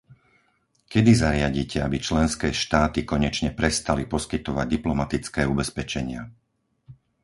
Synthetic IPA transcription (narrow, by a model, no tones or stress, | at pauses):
kɛd̪izaɾɪaɟiːcɛabit͡ʃlɛnskɛːʃt̪aːt̪ikɔɲɛt͡ʃɲɛpɾɛst̪alipɔskit̪ɔʋa̰ɟ̚d̪iplɔmat̪it͡skɛːubɛspɛt͡ʃɛɲɪa